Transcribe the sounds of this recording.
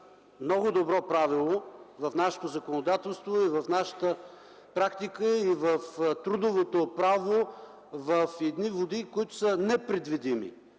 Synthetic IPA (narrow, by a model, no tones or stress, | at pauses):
mnɔɡʊd̪obɾɔpɾavilˠovɐfnaʃɛ̥t̪ozəkonod̪at̪ɛlˠst̪voivɐfnaʃə̥t̪ə | pɾakt̪ikəivəft̪ɾud̪ovot̪opɾavo | vəfɛd̪nivod̪ikoit̪ʊ̥sənɛpɾɛd̪vid̪imḭ